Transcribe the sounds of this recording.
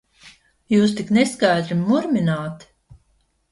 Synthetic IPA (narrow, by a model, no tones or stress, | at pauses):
juːst̪ikneskajd̪ɾimːuɾminaːt̪